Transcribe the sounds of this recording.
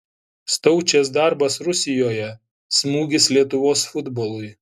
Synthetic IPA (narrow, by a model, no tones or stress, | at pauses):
st̪ɔʊt͡ʃʲɛsd̪ɑˑɾbɐsɾʊsʲɪjoːjɛ | smuːɡʲɪslʲiɛt̪ʊʋoːsfʊd̪boːlˠʊɪ